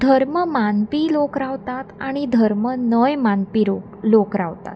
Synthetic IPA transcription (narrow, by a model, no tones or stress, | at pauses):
d̪ʱəɾməmanpiːlokɾaʋt̪at̪aɽ̃id̪ʱəɾmənəjmanpiɾoklokɾaʋt̪a̰t̪